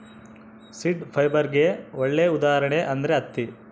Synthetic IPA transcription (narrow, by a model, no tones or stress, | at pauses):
siɖpʰɐjbɐɾɡeɔɭːeud̪aːɐɾɐɳeʔɐnd̪ɐɾeɐt̪ːi